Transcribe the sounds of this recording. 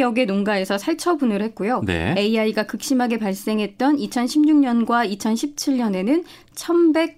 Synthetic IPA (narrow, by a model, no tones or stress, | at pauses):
jʌɡe̞nonɡae̞sʰʌsʰaɭt͡ɕʰʌbunɯɾhe̞t̚k͈ujonḛe̞iaiɡakɯk̚ɕ͈imɦaɡe̞paɭs͈e̞ŋɦe̞t̚t͈ʌnit͡ɕʰʌnɕʰimɲuŋɲʌnɡwait͡ɕʰʌnɕʰip̚t͡ɕʰiʎɲʌne̞nɯn | t͡ɕʰʌnbe̞k̚